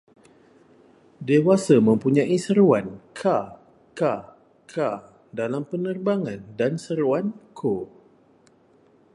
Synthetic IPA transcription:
dewasamə̃mpuɲãʔisəɾuankʰa | ka | kʰa | dalampənərbaŋãndansəɾuankʰo

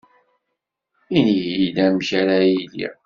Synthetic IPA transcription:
inilæmçaɾajilḭ

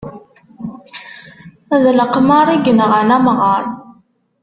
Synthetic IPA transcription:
æðləqmɑɾˤiɡənəʁənæmʁəɾˤ

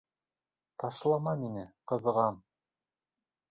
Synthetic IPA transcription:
t̪ɑʃlˠɑmɑminɘqɤ̆ðɤʁɑm

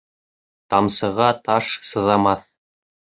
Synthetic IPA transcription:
t̪ɑmsɤ̆ʁɑt̪ɑʃsɤ̆ðɑmɑθ

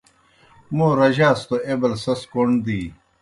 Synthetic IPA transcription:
moːɾɐʑaːst̪oʔebɐlsɐskoɳd̪iː

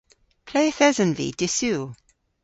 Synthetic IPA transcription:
pʰl̥ejəθɛzə̃nvḭd̥ɪsu

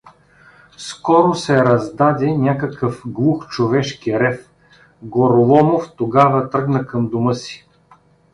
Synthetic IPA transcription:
skɔɾosɛɾɐzd̪ad̪ɛnʲakɐkəfɡlˠuxt͡ʃovɛʃkiɾɛf | ɡoɾolˠɔmoft̪oɡavɐt̪ɾɤɡnəkɐmd̪ʊmɤsi̥

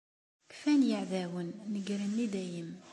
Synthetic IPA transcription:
kfænjəʕðæwənːəɡɾənːid̪æjəm

